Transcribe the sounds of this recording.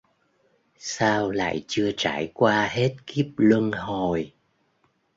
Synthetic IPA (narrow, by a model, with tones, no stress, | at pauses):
saː˧wla̰ː˧˨jt͡ɕɨ˧ət͡ɕaː˧˩jkwaː˧ɦe˦˥t̚ki˦˥əp̚lwə˧nho˨˩j